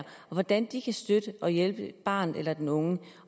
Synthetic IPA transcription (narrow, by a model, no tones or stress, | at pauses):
ɐɒʋɒd̥ænd̥ikʰæsd̥ød̥əʔɒ̽jelb̥əb̥ɑ̰̈ːnð̩ˠelɐd̥enɔ̽ŋə